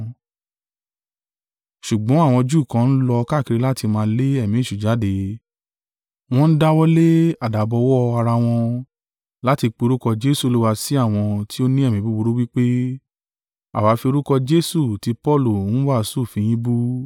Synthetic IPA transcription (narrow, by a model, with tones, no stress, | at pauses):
ʃu˨ɡ͡bɔ̃˨˦a˦˨w̃ɔ̃˧d͡ʒuː˦˨kã˧˦n̩˦lɔ˧ka˦˨ki˨˧ɾe˦la˦ti˧mãː˧˦le˦ɛ˦˨mĩ˨˦˨ʃu˨d͡ʒa˨˦de˧ | w̃ɔ̃˦˧n̩˦da˦wɔ˦le˦a˦˨da˨bɔ˧wɔ˦˧a˧ɾa˧w̃ɔ̃˧ | la˦ti˧k͡pe˧o˧ɾu˦kɔ˧d͡ʒe˦su˦˨o˦lu˦wa˧si˦a˦˨w̃ɔ̃˧ti˦o˦nĩ˦ɛ˦˨mĩ˨˦bu˦bu˧ɾu˦wi˦k͡pe˦ | a̰˨wa˨˦fi˧o˧ɾu˦kɔ˧d͡ʒe˦su˦˨ti˧˦pɔ˦˨lu˦˨n̩˦wa˦˨˧su˦˨fĩ˧j̃ĩ˦bu˦